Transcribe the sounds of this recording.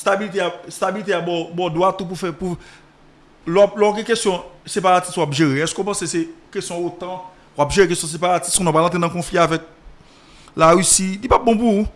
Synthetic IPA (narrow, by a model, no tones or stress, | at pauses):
st̪abilit̬east̪abilit̪̬eabɔbɔdwat̪ũp̬ufɛpu | laplɔɡɛ̃kestjɔ̃sepaʁat͡sistwapʒeʁeɛskopãsesekestjɔ̃ot̪ã | wapʒeʁek̬estjɔ̃s̬epaʁati̥skɔ̃nãpalãt̪ʁenɐ̃kɔ̃fliavɛk̚ | laʁysidipabɔ̃pu